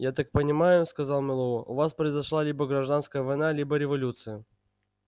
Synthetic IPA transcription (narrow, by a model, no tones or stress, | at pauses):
jat̪ak̚pənʲɪmajʊskɐzalˠmʲɪlˠoəʔʊ̰vaspɾəɪzɐʂlˠalʲibəɡɾɐʐd̪anskəjəvɐjnalʲibəɾʲɪvɐlʲut̪sɨjə